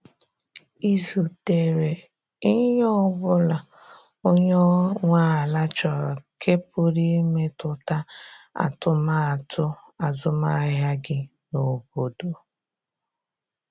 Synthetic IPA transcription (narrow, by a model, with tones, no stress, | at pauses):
i˦zu˨te˨ɾe˨ | i˦ɲɔ˦bʊ˦la˨ | o˦ɲo˦ŋʷaː˦a˨la˦t͡ʃɔ˨kʰe˦pʊ˦ɾi˦me˦tʊ˨ta˦a̰˨tʊ˦ma˦a˨tʰʊ˦ | a˨zʊ˦ma˦ɦja˦ɡɪ˦ | no˨bo˨do˨